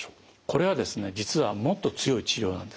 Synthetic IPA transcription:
o̥ː | ko̞ɾe̞βad̪e̞sɨne̞d͡ʑit͡sɨβamo̞t̪ːo̞t͡sɨjo̞it͡ɕiɾʲo̞ːnã̰nd̪e

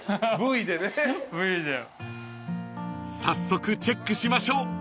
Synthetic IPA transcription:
bɯid̪enebɯid̪e | sasːo̞kɯ̟t͡ɕe̞kːɯ̟ɕimaɕo̞ː

